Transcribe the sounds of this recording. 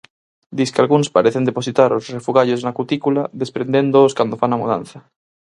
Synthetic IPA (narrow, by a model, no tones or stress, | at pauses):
d̪iskealɣunspaɾeθend̪eposit̪aɾosrefuɣaʎoznakut̪ikulaðespɾend̪end̪ooskwand̪ofanamuð̞ã̰nθa